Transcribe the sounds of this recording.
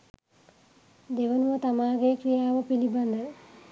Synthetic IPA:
d̪eʋɐnuʋɐt̪ɐmaːɡeːkrijaːʋɐpilibɐnd̪ɐ

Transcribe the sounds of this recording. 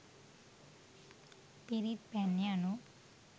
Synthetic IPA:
piɾit̪̚pɛnjanu

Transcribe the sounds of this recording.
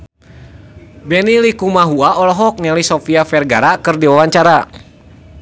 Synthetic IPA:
bɛnilikumaɦuaʔɔlɔɦɔk̚nɛlisɔfiafɛrɡaɾakɨrdiwawaɲt͡ʃaɾa

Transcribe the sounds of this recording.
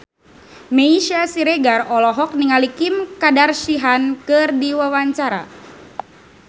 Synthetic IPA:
meiʃasiɾeɡarɔlɔɦɔk̚niŋalikimkadarʃiɦankɨrdiwawaɲt͡ʃaɾa̰

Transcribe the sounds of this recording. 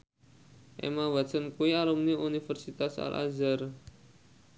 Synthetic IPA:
ʔḛmawasənkuialɔmniʔunifərsit̪asa̰lʔa̰zar

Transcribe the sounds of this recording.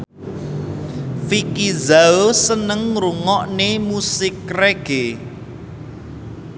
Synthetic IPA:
fikizaosənəŋɾuŋɔʔnemusɪkreɡ̥e

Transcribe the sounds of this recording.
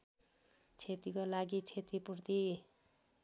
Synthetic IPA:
t͡sʰet̪ikolaɡit͡sʰet̪ipurt̪i

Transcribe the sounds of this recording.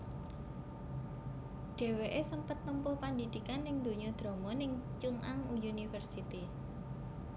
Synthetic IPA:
ɖ̥e̤weʔesəmpət̪ːəmpʊpand̪id̪̥i̤kanːɪŋd̪̥o̤ɲɔd̪̥ɾɔ̤mɔnɪŋt͡ʃuŋʔaŋujunifərsit̪i

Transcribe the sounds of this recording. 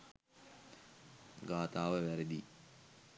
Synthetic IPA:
ɡaːt̪aːʋəʋæɾed̪i

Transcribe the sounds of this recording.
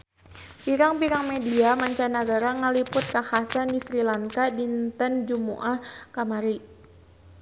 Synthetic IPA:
piɾaŋpiɾaŋmediamaɲt͡ʃanaɡaɾaŋəlipʊt̪̚kahasandisɾilaŋkadint̪ənd͡ʒumṵʔahkamaɾi

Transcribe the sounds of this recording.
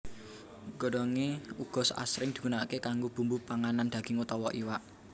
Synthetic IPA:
ɡ̥ɔ̤ɖɔŋeuɡ̥ɔ̤sa̰sɾɪŋd̪̥i̤kunakekaŋɡob̥ṳmbupaŋanand̥̪a̤ɡ̥ɪ̤ŋut̪ɔwɔʔiwaʔ

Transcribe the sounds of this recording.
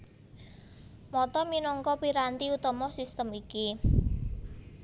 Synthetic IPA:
mɔt̪ɔminɔŋkɔpiɾant̪iut̪ɔmɔsist̪əmiki

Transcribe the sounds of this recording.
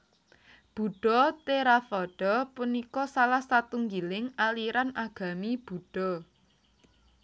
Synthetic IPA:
b̥ṳɖ̥ɔt̪eɾafɔɖ̥ɔpunikɔsalahsat̪uŋɡilɪŋaliɾanʔaɡ̥a̤mib̥ṳɖ̥ɔ̤

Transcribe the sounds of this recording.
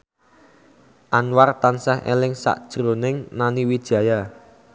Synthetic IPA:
ʔanwart̪ansɛɦʔḛlɪŋsa̰ʔd̥ʒ̥ɾonɪŋnaniwid̥ʒ̥a̤ja

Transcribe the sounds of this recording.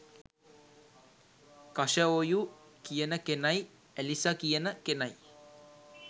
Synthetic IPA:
kaʃəojukijənəkenaj | ɛlisakijənəkenaj

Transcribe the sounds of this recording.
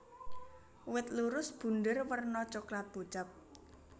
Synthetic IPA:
wɪt̪̚luɾʊsb̥ṳndərwərnɔt͡ʃɔklat̪̚b̥o̤̥t͡ʃa̤p̚

